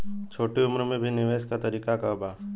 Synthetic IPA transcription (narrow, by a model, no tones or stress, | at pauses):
t͡ʃʰoːʈeʊmɾmẽbʱinɪʋeːskat̪ɐɾiːkakaʊbaː